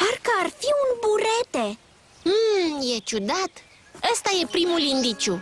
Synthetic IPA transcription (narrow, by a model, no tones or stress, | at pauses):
parkəarfiunbuɾe̞t̪e | je̞t͡ʃud̪at̪ | əst̪aje̞pɾimulind̪it͡ʃu